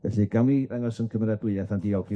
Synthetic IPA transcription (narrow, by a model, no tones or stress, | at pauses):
ɛ̰ɬiɡ̥amiaŋɔsənkʰəmɾadʊɨɛθandiɔwkʰi